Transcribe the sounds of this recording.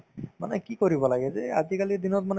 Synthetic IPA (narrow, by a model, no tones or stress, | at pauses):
ma̰nekikoɾibɔlaɡɛzead͡ʒikalid̪inɔt̪mane